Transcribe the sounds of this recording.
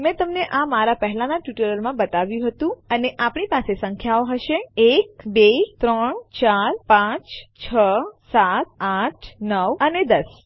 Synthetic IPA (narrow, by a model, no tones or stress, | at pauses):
mɛ̃t̪əmneʔamaɾapəɦlanaʈjuʈəɾəlmãbət̪aʋjũɦət̪ũəneʔapɳipasesə̃ŋkʰjaoɦəʃeekbet̪ɾəɳt͡ʃaɾpãt͡ʃt͡ʃʰəsat̪̚aʈʰnəʋəned̪əs